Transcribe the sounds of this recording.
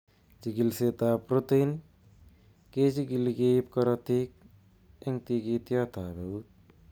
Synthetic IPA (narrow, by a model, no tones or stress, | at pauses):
d͡ʒiɡilset̪apɾot̪ijn | ked͡ʒiɡiliɡepkɔɾat̪ik̚ | eŋt̪iɡit̪jat̪abewt̪̚